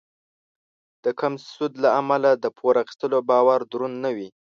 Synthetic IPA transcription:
d̪̥əkamssud̪laamalad̪əpʰoɾaxi̥st̪əlobɑwaɾd̪ɾunːawi

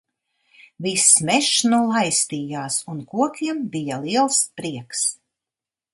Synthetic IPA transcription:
vismɛʃnulˠajst̪iːjaːsunkuɔkʲiɛmbijaliɛlˠspɾiɛks

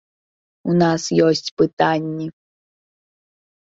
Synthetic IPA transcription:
unasjosʲtʲpɨt̪anʲːi

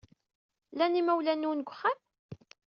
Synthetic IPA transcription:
lænimæwlænːunɡʷχam

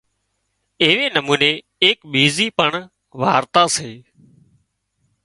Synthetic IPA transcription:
ɪɦʋeːnəmuːneː | eːkɓiːziːpəɳ | ʋaːɾt̪aːseː

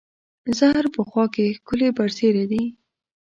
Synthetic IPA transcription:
zahɾpəxwɑkexkʊlebaɾseɾad̪i

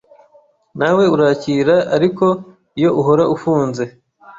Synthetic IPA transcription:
nawe̞uɾaːciːɾaaɾiko̞ | ijo̞ʔuɦo̞ɾaʔufuːnze̞

